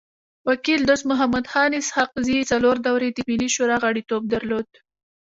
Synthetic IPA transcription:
wakild̪osmʊɦamad̪xɑnɪshaq̚zit͡saloɾd̪awɾed̪əmiliʃoɾɑɣaɽit̪ob̚d̪aɾlod̪

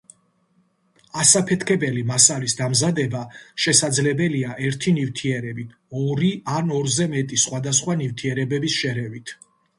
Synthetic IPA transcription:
asapʰɛt̪ʰkʰɛbɛlimasalisd̪amzad̪ɛbaʃɛsad̪zlɛbɛliaʔɛɾt̪ʰinivt̪ʰiɛɾɛbi | ɔɾianɔɾzɛmɛt̪ʼisχwad̪asχwanivt̪ʰiɛɾɛbɛbisʃɛɾɛvit̪ʰ

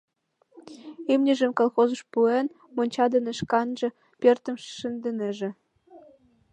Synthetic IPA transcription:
imnʲɘ̆ʒə̆mkolˠxozɤ̆ʃpuen | monʲt͡ɕɑd̪ɤ̆nə̆ʃkɑnʒĕ | pørt̪ə̆mʃʃə̆nd̪ɘ̆nĕʒĕ

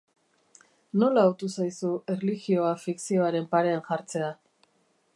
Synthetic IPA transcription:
no̞laowt̪usajsue̞rliɣio̞afiksio̞aɾe̞mpaɾe̞anʝaɾt͡se̞a

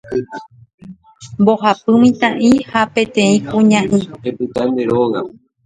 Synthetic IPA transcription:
mboɦapɨmĩt̪ãʔĩhapẽ̞t̪ẽ̞ĩkũɲãʔĩepɨt̪ãnd̪eɾoɣa̰

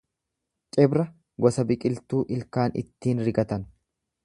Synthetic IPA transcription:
t͡ʃʼɛbɾɐ | ɡɔsɐbɪkʼɪlt̪uːʔɪlkaːnɪ̰t̪ːiːnɾɪɡɐt̪ɐn

